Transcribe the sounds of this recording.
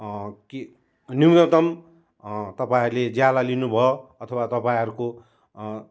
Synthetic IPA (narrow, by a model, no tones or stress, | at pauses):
ki | nijet̪ʌm | t̪ʌpaĩʌɾuled͡zjalalinubʱʌoʌt̪ʰʌwat̪ʌpaĩɦʌɾuko